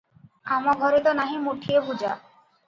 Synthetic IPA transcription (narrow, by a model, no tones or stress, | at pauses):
amaɡʱɔɾet̪onaɦimoʈʰiebʱud͡ʑa̰